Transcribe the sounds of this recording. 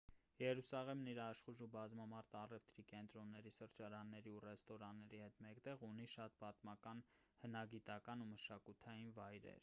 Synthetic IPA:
jɛɾusɑʁɛmniɾɑʃχuʒubɑzmɑmɑɾt̪ʰɑrɛft̪ɾikɛnt̪ɾɔnːɛɾisəɾt͡ʃɑɾɑnːɛɾiurɛst̪ɔɾɑnːɛɾihɛt̪mɛkt̪ɛʁuniʃɑt̪̚pɑt̪mɑkɑn | hənɑɡit̪ɑkɑnuməʃɑkut̪ʰɑjinvɑjɾɛ̰ɾ

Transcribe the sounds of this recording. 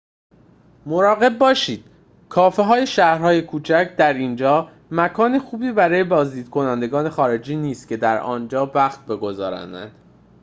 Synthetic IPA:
moɾɒːɣe̞b̚ːɒːʃiːd̪̥ | kʰɒːfeɦɒːje̞ʃæhɾhɒːje̞kʰuːt͡ʃʰæcʰd̪æɾiːnd͡ʒɒː | mækʰɒːnexuːbiːbæɾɒːje̞bɒːzd̪iːd̪̚kʰo̞nænd̪e̞ɡɒːne̞xɒːɾe̞d͡ʒiːniːst̪̚cʲʰe̞d̪æɾɒ̰ːnd͡ʒɒːvæxt̪̚be̞ɡo̞zɒ̰ːɾæ̰nd̪æ̰nd̪̥

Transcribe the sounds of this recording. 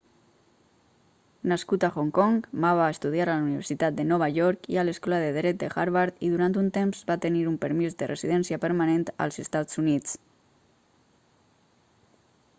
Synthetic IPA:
naskut̪axoŋkɔŋbaβaest̪uð̞iaɾaluniβəɾsit̪at̪̚d̪ənɔβ̞aʎɔɾkḭaləskɔlaðəðɾɛt̪̚d̪əxaɾβaɾt̪iðuɾant̪unt̪emzbat̪əniɾumpəɾmizd̪ərʔeziðɛnsiapəɾmanẽnt̪a̰lˠzəst̪at͡sunit͡s

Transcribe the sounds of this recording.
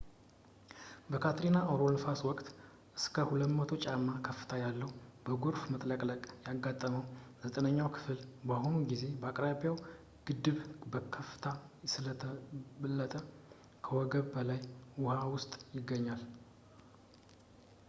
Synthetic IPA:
bəkʰat̪ɾinaʔawɾonfaswɔkʼt̪ | ʔɨskʰəhulət̪mət̪ʰo̞t͡ʃʼamːakʰəfɨ̥t̪ʰajalːəhubəɡoɾfmət̪ʼləkʼləkʼjaɡːat̪ʼːəməwzət̪ʼənəɲːawkʰɨ̥fɨlbahonuɡize̞bəakʼɾaβijaw | ɡ̥ɨd̪ːɨβbəkʰəfɨ̥t̪ʰasɨlət̪ʰəbɨlːət̪ʼə | kʰəwɔɡəβbəlajwʊhawʊst̪ʼjɪɡːəɲːal

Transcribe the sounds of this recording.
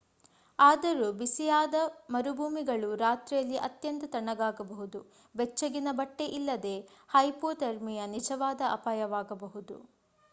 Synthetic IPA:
aːd̪ɐɾubisijaːd̪ɐmɐɾubʱuːmiɡɐɭuɾaːt̪ɾijɐlːiʔɐt̪jɐnt̪ɐt̪ɐɳːɐɡaːɡɐbɐɦud̪u | bɛt͡ʃːɐɡinɐbɐʈːe̞ʔilːɐd̪e̞hɐjpoːt̪ɐɾmijɐnid͡ʒɐʋaːd̪ɐɐ̰paːjɐʋaːɡɐbɐɦud̪ṵ

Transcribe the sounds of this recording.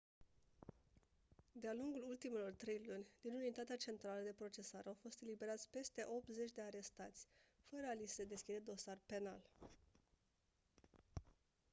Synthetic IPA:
d̪ealuŋɡulult̪imelo̞rt̪ɾe̞jlunʲd̪̥inunit̪at̪eat͡ʃe̞nt̪ɾaləd̪e̞pɾo̞t͡ʃe̞saɾeawfo̞st̪e̞libe̞ɾat̪sʲpe̞st̪e̞ʔo̞p̚t̪ze̞t͡ʃʲd̪e̞aɾe̞st̪at̪sʲfəɾəalised̪e̞skʲid̪e̞d̪o̞sarpe̞na̰l

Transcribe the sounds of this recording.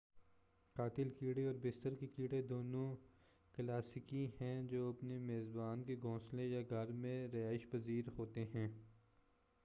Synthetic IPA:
qaːt̪ɪlkiːɽeɔːɾbɪst̪əɾkekiːɽed̪oːnõ | klaːsɪkĩɦɛ̃d͡ʒoːɐpnemeːzbaːnkeɡʱõːslẽjaɡʱɐɾmẽɾɐaːɪʃpɐziːɾɦoːt̪eɦɛ̃ː

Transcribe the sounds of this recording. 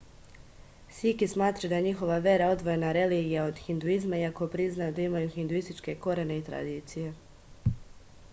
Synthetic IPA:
sikismaːt̪ɾad̪aeɲixo̞ʋaʋje̞ɾao̞d̪ʋo̞je̞naɾe̞liːɡijao̞d̪xind̪uizmaiako̞pɾiznajud̪aimajuxind̪uist̪it͡ʃke̞ko̞ɾene̞it̪ɾa̰d̪iːt̪sije̞

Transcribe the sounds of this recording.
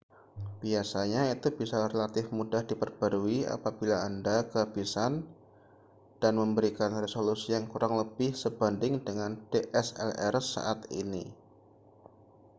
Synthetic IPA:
b̥iasaɲait̪ubisarelat̪ɪfmudahd̥ipərb̥aɾuia̰pabilaːndakəɦabisan | d̥anməmbəɾikanresolusijaŋkuɾʔaŋləb̥ɪhsəb̥andɪŋdəŋand̥eʔɛsɛ̰lɛ̰rsːa̰ʔat̪ḭnḭ

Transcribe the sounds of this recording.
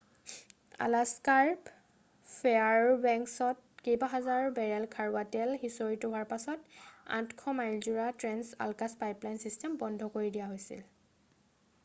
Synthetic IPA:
a̰laskaɹp | pʰeaɹbɛŋksɔt̚ | kejbaɦazaɹbɛɹɛlkʰaɹwatɛlxisɔɹitʊɦwaɹpasɔta̰tkʰɔmajlzuɹatɹɛnsa̰lkaspajplajnsistɛmbɔndʱɔkoɹidijaɦojsḭl

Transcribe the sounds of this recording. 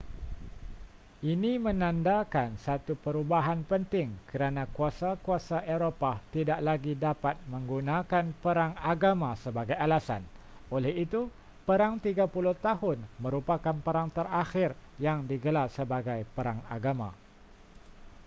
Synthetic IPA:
ʔinĩmə̃nãndakansat̪upəɾubaɦanpənt̪ɪŋkəɾanãkuasakuasaʔeɾopat̪idaʔlaɡidapat̪̚mə̃ŋɡunãkanpəɾaŋaɡamãsəbaɡajalasa̰n | olɛhit̪u | pəɾaŋt̪iɡapuluht̪aɦʊnmə̃ɾupakanpəɾaŋt̪əraxɪrjaŋdiɡəlarsəbaɡajpəɾaŋa̰ɡamã̰

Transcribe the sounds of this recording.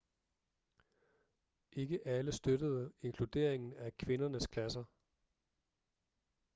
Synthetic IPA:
ʔe̝ɡ̥əʔæləsd̥øɾəð̞̩ˠəe̝ŋkʰlud̥e̝̰ɐ̰eŋn̩ækʰʋe̝nɐnəskʰlæsɐ

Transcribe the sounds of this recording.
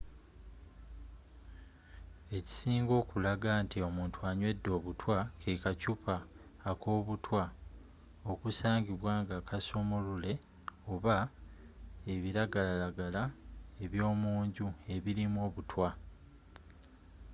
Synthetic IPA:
e̞ci̥siːŋɡo̞ːkulaɡaːntio̞muːntwaɲwe̞dːo̞ːβutwakʰekacupaː | ko̞ːβutwa | o̞kusaːɲɡiβwaːŋɡakʰaso̞molule̞ | o̞βa | e̞βiɾaɡalalaɡalae̞βjo̞ːmuːɲɟue̞βiɾimwo̞ːβutwa

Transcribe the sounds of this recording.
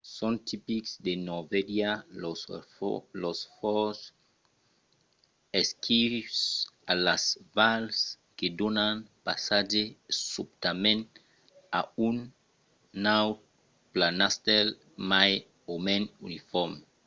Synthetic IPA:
sɔ̃nt̪ipiksd̪enovedja | losfɔs | eskʰisalasvals | ked̪onanpa̰sad͡ʒesupt̪amẽn | a̰unː | aw | planast̪ɛl | maj | omẽnunifɔm

